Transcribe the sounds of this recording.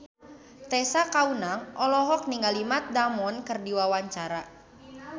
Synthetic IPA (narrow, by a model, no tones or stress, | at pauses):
t̪ɛsakaunaŋʔɔlɔɦɔk̚niŋalimat̪̚damɔnkɨrdiwawaɲt͡ʃaɾa